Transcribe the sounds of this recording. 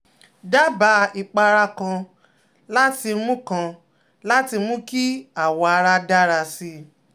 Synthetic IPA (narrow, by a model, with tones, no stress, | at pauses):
da˦ba˧i˨k͡pa˧ɾa˧kã˧ | la˦ti˧mũ˦kã˧ | la˦ti˧mũ˦ki˦a˦˨wɔ˧a˧ɾa˦da˦ɾa˧si˧˦